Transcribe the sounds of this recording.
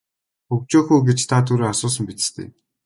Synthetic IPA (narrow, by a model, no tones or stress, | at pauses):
xɵkt͡ɕoːxuːɡet͡ɕt̪ʰat̪ʰuɾeːasʊːs̬ə̆mpit̪ɘ̥̆st̪ʰḛːm